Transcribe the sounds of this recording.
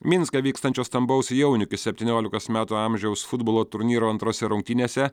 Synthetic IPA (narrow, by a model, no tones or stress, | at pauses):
mʲɪnskɐʋʲiːkst̪ɐnʲt͡ʃʲoːst̪ɐmbɐʊsʲjɛʊnʲʊkʲɪsʲɛpʲt̪ʲiːnʲoːlʲɪkoːsmʲæːt̪uːɑmʲʒʲɛʊsfʊd̪̚boːlˠoːt̪ʊɾʲnʲiːɾoːɐnt̪ɾoːsʲɛɾʊŋk̚t̪ʲɪnʲeːsʲɛ